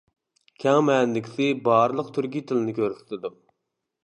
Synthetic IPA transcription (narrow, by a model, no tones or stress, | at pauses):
kʲʰɛŋmɛnlɪkʲʰsɪbɑːɾɨlˠəqt̪ʰyɾkʲit̪ʰɪlɪnɪkʲʰøɾsɪ̥t̪ʰɪd̪u